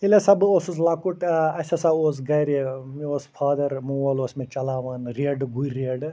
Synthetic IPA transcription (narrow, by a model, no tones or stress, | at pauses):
ilesɐboːsuslaːkuʈɐsɐsaoːs̬ɡɐjɾemioːspʰaːd̪ɐɾmũʋɐloːsmet͡ʃɐlaːʋaːnɾeːɖɡuiɾeːɖ